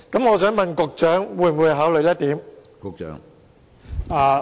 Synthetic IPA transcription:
kɐ˨˥mŋɔː˨˧sœː˨˥ŋmɐ˨nkʊ˨˧k̚t͡ʃœː˨˥ŋwuː˨˧j̩˨wu˨˧jɦaː˨˥wlɵ˨˧jɐ˥t̚t̪iː˨˥m | kʊ˨k̚t͡ʃœ̰ː˨˥ŋ | a˨˧

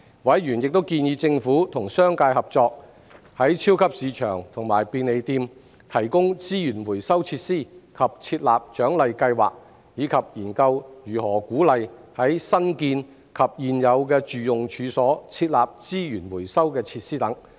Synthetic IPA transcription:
wɐ˨˥jɥyː˨˩njɪ˨k̚t̪o˥wkiː˧njiː˨˧˥t͡sɪ˧ŋfuː˨˥t̪ʰʊ˨˩ŋsœː˥ŋkaː˧jhɐ˨p̚t͡sɔː˧k̚ | hɐ˨˥jt͡sʰiː˥wkʰɐ˥p̚siː˨˧t͡ʃʰœ̰ː˨˩ŋt̪ʰʊ˨˩ŋmaː˨˩jpiː˧ne˨˧jt̪iː˧m | t̪ʰɐ˨˩jkʊ˥ŋt͡siː˥jyː˨˩nwuː˨˩jsɐ˥wt͡sʰiː˧˥t̚siː˥˩kʰɐ˨p̚t͡sʰiː˧t̚laː˨p̚t͡ʃœː˨˥ŋlɐ˨jkɐ˧jwa̰ː˨˩k̚ | jiː˨˧kʰɐ˨p̚jiː˨˩nkɐ˧wjyː˨˩hɔː˨˩kuː˨˥lɐ˨jhɐ˨˥jsɐ˥nkiː˧n | kʰɐ˨p̚jiː˨njɐ˨˧wkɛː˧t͡ʃyː˨jʊ˨ŋt͡ʃʰyː˨˧sɔː˨˥t͡sʰiː˧t̚laː˨p̚t͡siː˥jyː˨˩nwuː˨˩jsɐ˥wkɛː˧t͡sʰiː˧t̚siː˥t̪ɐ˨˥ŋ

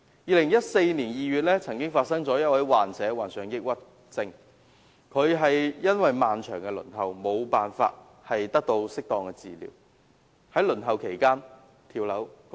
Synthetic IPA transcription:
jiː˨˧lɪ˨˩ŋjɐ˥t̚se˧jniː˨˩njiː˨˧ɥyː˨t̚lɛː˥t͡sʰɐ˨˩ŋkɪ˥ŋfaː˧t̚sɐ˥ŋt͡sɔː˨˥jɐ˥t̚wɐ˨˥jwaː˨nt͡sɛː˨˧˥waː˨˩nsœː˨˧ŋjɪ˥k̚wɐ˥t̚ | t͡sɪ˧ŋ | kʰɵ˨˧ɥɦɐ˨jjɐ˥nwɐ˨jmaː˨nt͡ʃʰœː˨˩ŋkɛ˧lɵ̰˨˩nɦɐ˨˩wmo˨˧wpaː˨nfa̰ː˧t̚ | hɐ˨jt̪ɐ˥k̚t̪o˧wsɪ˥k̚t̪ɔː˨ŋkɛ˧t͡sḭː˨˩lḭː˨˥w | hɐ˨˥jlɵ˨˩nɦɐ˨wkʰe˨˩jkaː˥n | t̪ʰiː˧wlɐ˨˥w

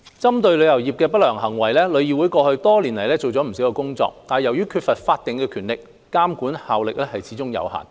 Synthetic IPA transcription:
t͡sɐ˥mt̪ɵ˧ɥlɵ˨˧ɥjɐ˨˩wjiː˨˩p̚kɛː˧pɐ˥t̚lœː˨˩ŋɦɐ˨˩ŋwɐ˨˩jlɛː˥lɵ˨˧ɥjiː˨˩wu˨˧˥jkɔː˧hɵ˧ɥt̪ɔː˥liː˨˩nlɐ˨˩jlɛː˥t͡so˨wt͡sɔː˨˥m̩˨˩si˨˥wkɛː˧kʊ˥ŋt͡sɔ̰ː˧k̚t̪aː˨jɐ˨˩wjyː˥kʰyː˧t̚fɐ˨t̚faː˧t̚t̪ɪ˨ŋkɛː˧kʰyː˨˩nlɪ˨k̚ːaː˥mkuː˨˥nhaː˨wlɪ˨k̚lɛː˥hɐ˨jt͡sʰiː˨˥t͡sʊ˥ŋjɐ̰˨˧wha̰ː˨˩n

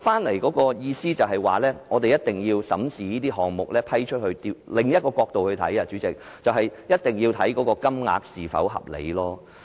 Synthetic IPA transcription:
faː˥nlɐ˨˩jkɔː˨˥kɔː˧jiː˧siː˥t͡sɐ˨wɦɐ˨jwa̰ː˨˩lɛː˥ŋɔː˨˧t̪̬e˨jɐ˥t̚t̪ɪ˨˩ŋjiː˧wsɐ̰˨˥msiː˨˧niː˥t̪̬iː˥ɦɔː˨ŋmʊ˨k̚lɛː˥pʰɐ˥jt͡ʃʰɵ˥t̚hɵ˧ɥt̪iː˧wlɪ˨˩ŋjɐ˥t̚kɔː˧kɔː˧k̚t̪o˨whɵ˧ɥt̪ʰɐ˨˥jɐ˧t͡ʃyː˨˥t͡sɪ˨k̚ | t͡sɐ˨wɦɐ˨jjɐ˥t̚t̪ɪ˨ŋjiː˧wt̪ʰɐ˨˥jkɔː˨˧˥kɔː˧kɐ˥mŋa̰ː˨k̚siː˨˩fɐ̰˨˥wɦɐ̰˨p̚lḛ˨˧jlɔː˥

